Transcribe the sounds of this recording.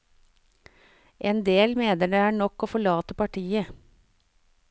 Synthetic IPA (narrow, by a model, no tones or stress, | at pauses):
ʔeːnd̪eːlmeːnəɖeæːɳɔkoːfɔɭɑːt̪əpɑʈʰiːə